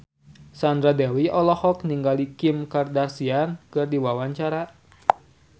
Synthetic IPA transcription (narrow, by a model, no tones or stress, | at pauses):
sand̪ɾadɛwiɔlɔhɔk̚niŋɡalikimkardarsiankɨrdiwawaɲt͡ʃaɾa